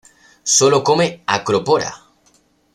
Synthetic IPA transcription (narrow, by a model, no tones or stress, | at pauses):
solokomeakɾopoɾa̰